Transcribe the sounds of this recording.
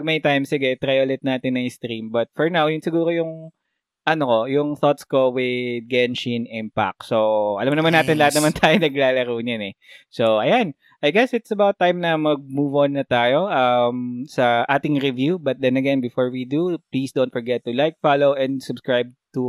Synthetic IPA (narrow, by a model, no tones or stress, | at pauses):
ɡ̚mɐjt̪ajmsɪɡɛt̪ɾajolɛt̪̚naːt̪ɪnɐŋst̪ɾimbɐt̪̚fɔɹnawjʊnsɪɡuːɾojʊŋ | ʔɐnokojʊŋθot̪skowɪd̪̚ɡɛnʃinɛn̚pa̰k̚soʔɐ̰lamnɐmaɐnaːt̪ɪnlɐhat̪̚nɐmant̪ʰaːjonɐɡlaːlɐɾuːɲɐnɛsoʔɐjan | ʔɐjɡɛsɪt̪sɐbawt̪̚ːajmnɐmɐɡ̚muːvonːɐt̪aːjoʔɐmsɐʔaːt̪ɪŋɹɪvjubɐt̪̚d̪ɛnɐɡɛnbɪfoɹwid̪uplisd̪own̚fɔɹɡɛt̪ːulajk̚falowʔɛ̃nd̪sʊbskɹajb̚t̪u